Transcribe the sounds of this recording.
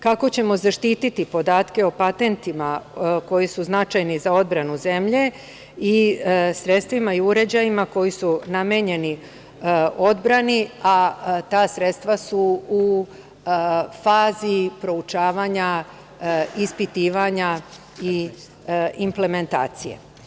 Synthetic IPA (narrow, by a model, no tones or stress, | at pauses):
kako̞t͡ɕe̞mo̞zaʃt̪iːt̪it̪ipo̞d̪aːt̪ke̞o̞pat̪e̞nt̪imako̞jisuznat͡ʃajnizao̞d̪bɾanuze̞mʎe̞ | isɾe̞t̪st̪ʋimaiuɾe̞d͡ʑajimako̞jisunamjeɲe̞ni | o̞d̪bɾaniat̪aːsɾet̪st̪ʋasuu | faːzipɾo̞ut͡ʃaːʋaːɲa | ispit̪iːʋaɲa | i | imple̞me̞nt̪a̰ːt̪sije̞̰